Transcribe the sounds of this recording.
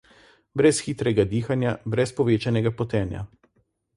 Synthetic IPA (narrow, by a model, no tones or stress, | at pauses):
bɾɛsxit̪ɾɛɡad̪iːxanjabɾɛspɔʋeːt͡ʃanɛɡapɔt̪ɛːnja̰